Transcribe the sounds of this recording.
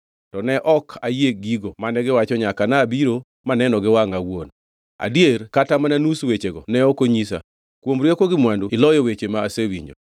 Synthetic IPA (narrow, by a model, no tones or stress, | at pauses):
tɔnɛʔɔkʰajeɡiɡomanɛɡɪwat͡ʃɔɲakanabiɾo | manɛnɔɡɪwaŋawon | a̰djerkatamananuswet͡ʃeɡɔnɛɔkoɲis̬a̰ | kwomɾjekoɡɪmwanduɪlɔjɔwet͡ʃemaːsewiɲd͡ʒo̰